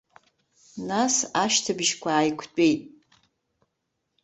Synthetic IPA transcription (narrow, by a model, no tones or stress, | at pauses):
nasaʃtʰabʒkʷʰaːjkʷʰt͡pʷʼe̞jtʼ